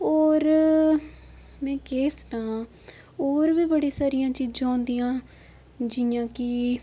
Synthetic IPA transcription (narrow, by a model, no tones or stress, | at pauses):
oːɾ | mɛ̃ːkeːsʈãː | oːɾʋiːbəɽiːsaːɾɪjãːt͡ʃiːd͡ʒãːʊ̃nd̪ijãː | d͡ʒɪãːkɪ